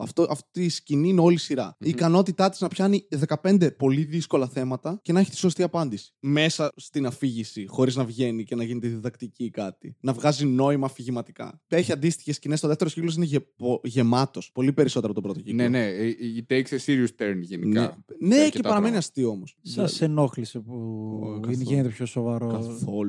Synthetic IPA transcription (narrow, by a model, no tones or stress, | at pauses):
ɐ̰ft̪oʔɐftisciniineo̞lisiɾɐ̰iːkɐno̞t̪it̪ɐt̪iznɐpçɐniðe̞kɐpe̞nd̪e̞po̞liðisko̞lɐθe̞mɐt̪ɐce̞nɐçi̥t̪i̥so̞st̪iɐpɐnd̪isi̥me̞sɐst̪inɐfiʝisixo̞ɾiznɐvʝe̞nice̞nɐʝinet̪iðiðɐkt̪icikɐt̪ḭnɐvɣɐzino̞imɐːfiʝimɐt̪i̥kɐ̰eçiɐnd̪ist̪i̥çe̞scinesto̞ðeft̪eɾociklo̞s̬ineʝepoʝe̞mɐt̪o̞spo̞lipe̞ɾiso̞t̪eɐpot̪bɾo̞t̪ocineneit̪eksesiɾiust̪eɾniʝeninḛneetpɐɾɐme̞niɐst̪io̞mosssɐsenoklisepuineʝinet̪epçosovɐɾoɐθol